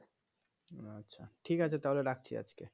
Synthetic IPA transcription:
atːɕʰaʈʰikat͡ɕʰet̪aɦoleɾak̚ʰt͡ɕʰḭa̰d͡ʑke

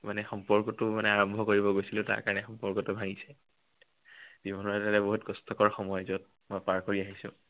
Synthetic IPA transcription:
manɛxɔmpɔɹkɔtʊmanɛaɹɔmbʱɔkoɹibɔɡojsilʊ̃ta̰ɹka̰ɹɔnɛxɔmpɔɹkɔtʊbʱaɡisɛ | z̥ibʱɔnɔɹɛtalɛboɦutkɔstɔkɔɹxɔmɔjzɔt̚ | mɔjpaɹkoɹiaɦisʊ̰̃

